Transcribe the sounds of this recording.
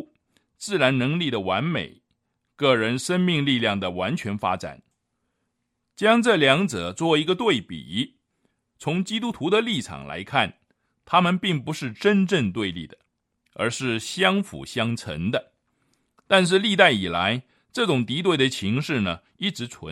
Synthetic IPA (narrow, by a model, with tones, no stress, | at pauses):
t͡sɹ̩˥˩ɻa˧˥nnɤ˧˥ŋli˥˩d̪ə˩wa˧˥nmḛ˨˩ɪ | kɤ˥˩ɻə˧˥nʂə˥nmi˥˧ŋli˥˧ljɑ˥˩ŋd̪ə˩wa˧˥nt͡ɕʰɥɛ˧˥nfa̰˥ʈ͡ʂa̰˨˩˦n | t͡ɕjɑ˥ŋʈ͡ʂɤ˥˩ljɑ˧˥ŋt͡sɤ˨˩˦t͡swɔ˥˩i˧˥ɡə˧t̪we˥˩ɪpḭ˨˩ | t͡sʰʊ˧˥ŋt͡ɕi˥t̪u˥t̪ʰu˧˥d̪ə˨˧li˥˩ʈ͡ʂʰɑ̰˨˩ŋla̰˧˥ɪkʰa˥˩n | t̪ʰa˥mə˨npi˥˩ŋpu˧˥ʂɻ̩˥˩ʈ͡ʂə˥nʈ͡ʂə˥˧ŋt̪we˥˧ɪli˥˩d̪ə˩ | ə̰˞˧˥ʂɻ̩˥˩ɕjɑ˥ŋfṵ˨˩ɕjɑ˥ŋt͡sʰə̰˧˥ŋd̪ə˧ | t̪a˥˧nʂ̬ɻ̩˥˧li˥˧t̪a˥˩ɪi˨˩la˧˥ɪ | ʈ͡ʂɤ˥˩ʈ͡ʂʊ˨˩ŋt̪i˧˥t̪̬we˥˩ɪd̪ə˩t͡ɕʰi˧˥ŋʂɻ̩˥˩nə˩ | i˥˩ʈ͡ʂɻ̩˧˥t͡sʰə̰˧˦